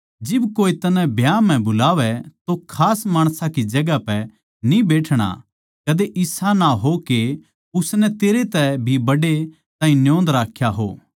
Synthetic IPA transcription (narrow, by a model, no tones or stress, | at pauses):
d͡ʒɪbkoːit̪ɐnɛ̃bʱjaːmɛ̃bʊlaːʋɛt̪okʰaːsmaːɽ̃sakid͡ʒɐɡapɛ | nĩbeːʈʰɽ̃a̰ | kɐd̪eʔɪsanaɦoke | ʊsnɛt̪eːɾet̪ɛbʱibɐɽe | t̪aːɦĩnjõːnd̪ɾaːkʰːjaɦo̰ː